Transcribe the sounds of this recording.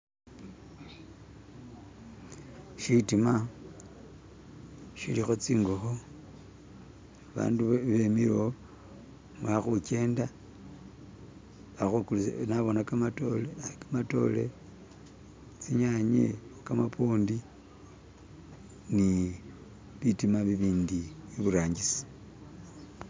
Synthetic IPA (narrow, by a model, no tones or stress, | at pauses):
ʃitima | ʃilixo̞t͡siːŋɡoxo | βa̰ːnduβemiɾo | mwaxuke̞ːnda | βaxukulunaβo̞nakamatoleakamato̞̰le̞̰ | t͡siɲaɲḛkamapoːndi | ni | βitimaβiβiːndiiβuɾaːɲɟisi̥